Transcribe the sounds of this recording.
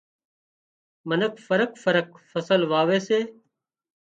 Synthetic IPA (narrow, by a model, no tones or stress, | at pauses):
mənəkfəɾəkfəɾəkfəsəlʋaːʋeːseː